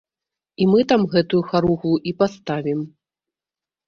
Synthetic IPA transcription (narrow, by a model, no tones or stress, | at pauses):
imɨt̪amɣɛt̪ujuxaɾuɣuuʔipast̪avʲim